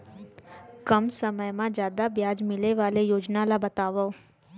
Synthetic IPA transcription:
kəmsəməjmãd͡ʒjaːd̪abjaːd͡ʒmɪleʋaːlejoːd͡ʒnalabɐt̪aːʋao

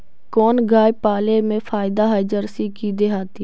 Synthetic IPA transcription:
kɔːnɡaːjpaːlemẽfʰaːɪd̪aɦaɪd͡ʒəɾsikid̪eɦaːt̪i

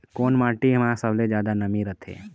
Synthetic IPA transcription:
koːnmaːʈiɦəmasəbled͡ʒjaːd̪anəmĩɾət̪ʰḛː

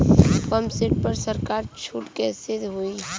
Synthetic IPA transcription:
kəmsɪʈ̚pɐɾsəɾkaːɾt͡ʃʰuːʈkesɪd̪ɦʊiɦ

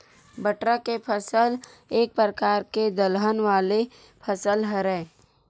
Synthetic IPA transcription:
bəʈɾakepʰəsəl | eːk̚pɾəkaːɾked̪əlɦənʋaːle | pʰəsəlɦəɾɛː

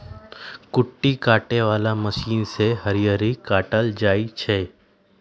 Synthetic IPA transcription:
kʊʈːikaːʈeʋaːlaməʃiːnseɦəɾijəɾikaːʈəld͡ʒaːit͡ʃʰeː

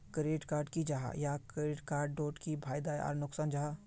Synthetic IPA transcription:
kɾeːʈkaːɾɖkid͡ʒaɦa̰jakɾeːʈkaːɾɖːoːʈkibʱaːjd̪aa̰ːɾnʊksaːnd͡ʒaɦa

